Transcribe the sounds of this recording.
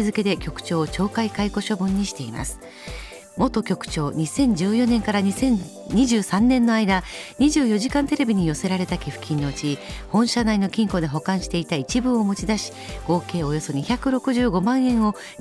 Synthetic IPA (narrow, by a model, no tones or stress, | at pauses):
izɨke̞d̪e̞kʲo̞kɯ̟̥t͡ɕo̞ːt͡ɕo̞ːkaikaiko̞ɕo̞bɯ̟̃ɲ̟ːiɕi̥t̪e̞ima̰sɨ̥ | mo̞t̪o̞kʲo̞kɯ̟̥t͡ɕo̞ːɲ̟isẽ̞ɲ̟d͡ʑɨːjo̞nẽ̞ŋkaɾaɲsẽ | ɲiʑɨːsãnːẽ̞nːo̞aid̪aɲ̟iʑɨːjo̞ʑikãnt̪e̞ɾe̞bʲiɲ̟ijo̞se̞ɾaɾe̞t̪akʲiɸɯ̟̥kʲʰĩnːo̞ɯ̟t͡ɕihõ̞ɰ̃ɕanaino̞kʲĩŋko̞d̪e̞ɦo̞kãɰ̃ɕi̥t̪e̞it̪ait͡ɕibɯ̟o̞mo̞t͡ɕid̪aɕi̥ɡ̥o̞ːke̞ːo̞jo̞so̞ɲ̟içakɯ̟ɾo̞kɯ̟ʑɨːɡo̞mãɰ̃ẽ̞ɰ̃o̞